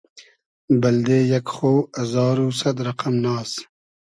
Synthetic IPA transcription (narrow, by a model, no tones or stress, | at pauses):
bɐld̪eːjɐkxoːɐzɑːɾuːsɐd̪ɾɐqɐmnɑːs